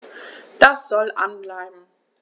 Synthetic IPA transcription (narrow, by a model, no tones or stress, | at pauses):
d̥asz̥ɔlʔa̰nblaɪbm̩